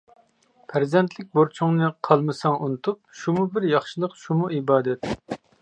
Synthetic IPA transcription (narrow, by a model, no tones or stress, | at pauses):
pʰæɾzɛnt̪ʰlɪk̚ʲboɾt͡ʃʰuŋnɨqʰɑlˠmɨsɑŋʔunɨt̪ʰup̚ʃumubɪɾjɑχʃɨlˠəqʃumuibɑːd̪ɛt̪